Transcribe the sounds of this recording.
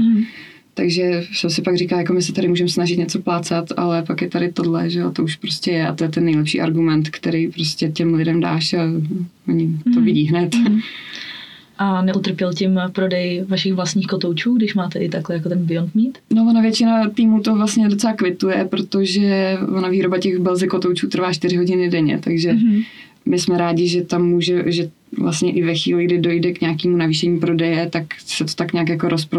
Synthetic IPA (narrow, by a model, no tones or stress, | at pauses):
t̪aɡʒɛsamsɪpaɡriːkaːjako̞mɪsɛt̪aɾɪmuːʒɛmsnaʒɪt̪ɲɛt͡so̞plaːt͡sat̪a̰lɛpakjɛt̪adɪt̪o̞dlɛ̰ʒɛot̪o̞uʃpɾo̞scɛjɛʔa̰t̪ojɛt̪ɛnːɛjlɛpʃḭːʔaɾɡumɛnt̪kt̪ɛɾijpɾoscʲɛcɛmlɪdɛmda̰ːʃa | oɲɪt̪ovɪɟiːɦnɛt̪ | ʔanɛʔut̪r̩pjɛlcɪmpɾo̞dɛjvaʃɪxvlast̪ɲiːxkot̪owt͡ʃuːɡdɪʃmaːt̪ɛʔɪt̪aklɛjakot̪ɛnbɪjont̪miːt̪no̞vonavjɛt͡ʃɪnat̪iːmuːt̪o̞vlastɲɛdot͡sɛlakvɪt̪ujɛpɾo̞t̪o̞ʒɛonaviːɾo̞bacɛɣbɛlzɛko̞t̪owt͡ʃuːt̪r̩vaːt͡ʃt̪ɪɾɪɦo̞ɟɪnɪdɛɲɛ̰t̪aɡʒɛ | mɪsmɛɾaːɟɪʒɛt̪amːuːʒɛʒɛ | vla̰st̪ɲɛʔɪvɛxʋiːlɪɡdɪdo̞jdɛkɲaːkiːmunaviːʃɛɲiːpɾo̞dɛjɛt̪aksɛt̪ot̪akɲaːkjako̞ɾʔospɾo